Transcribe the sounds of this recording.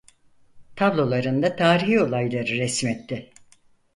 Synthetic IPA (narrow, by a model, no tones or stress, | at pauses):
t̪ʰablˠo̞lˠaɾɯnd̪at̪ʰaːɾiɦio̞lˠajlˠaɾɯɾɛsmɛt̪ːɪ